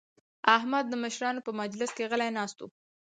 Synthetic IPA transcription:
aɦmad̪ːəməʃɾɑnopəmad͡ʒlɪskeɣəlajnɑst̪o̰

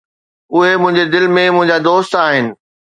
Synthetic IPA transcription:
ʊɦemʊ̃ɦɪ̃ɲd͡ʑed̪ɪlmẽmʊ̃ɦɪ̃ɲd͡ʑad̪oːst̪aːɦɪnɪ̆

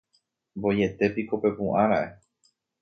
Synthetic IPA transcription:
mbo̞je̞t̪e̞piko̞pe̞pũʔãɾaʔe

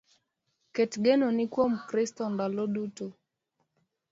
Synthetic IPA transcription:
ketɡenonɪkwomkɾɪstɔndalodutu

